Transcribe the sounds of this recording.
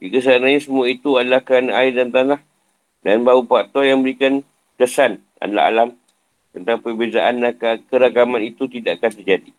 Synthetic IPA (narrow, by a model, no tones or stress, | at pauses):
dikəs̬anaɲasəmuait̪uadalahkanaaɪdant̪anah | danbaupaʔt̪ɔjaŋbəɾikan | kəsan | a̰dala̰ɦa̰lam | t̪ənt̪aŋpərbezaʔandakakəɾakamãnit̪ut̪idaʔakant̪ərd͡ʒadi